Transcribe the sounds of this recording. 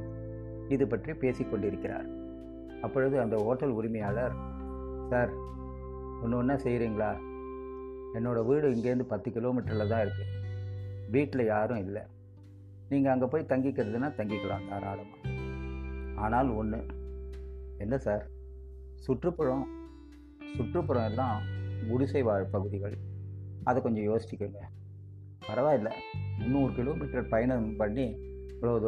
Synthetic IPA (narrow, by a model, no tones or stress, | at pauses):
ɪðɯpɐʈripeːsɪkːɔɳɖɪɾɯkːɪɾa̰ːɾ | ɐpːɔɻɯðɯɐnd̪ɐɦoːʈːɐlʊɾɪmɐjaːlɐɾ | saːɾ | ɔnːɯɔnːɐsɛjɾiːŋɡɐɭaː | ɛnːoːɽɐʋiːɽɯɪŋɡeːɾɯnd̪ɯpɐt̪ːɯkɪloːmɪʈːɐɾlɐt̪ãːɪɾɯkːɯ | ʋiːʈːlɐjaːɾʊ̃ɪlːɐ̰ | niːŋɡɐːŋɡɐpoːjt̪ɐŋɡɪkːɪɾɐðɯnːaːt̪ɐŋɡɪkːɐɽa̰ːŋɡaːɾaːɾɐmaː | aːnaːlɔnːɯ | ɛnːɐsaːɾ | sʊʈrɯpːɐɻɔ̃ | sʊʈrɯpːɔɾɔ̃ɛlːãːɡʊɽʊsɛɪʋaːɾɯpɐɣɯðɪɣɐɭ | ɐðɐkɔɲd͡ʒɔ̃joːsɪt͡ʃːɪkːɯŋɡɐ | pɐɾɐʋaːɪlːɐ̰nːuːɾɯkɪloːmiːʈɾɐɾpɐjɐnɐmpɐɳːi | ʋɭɐʋɐð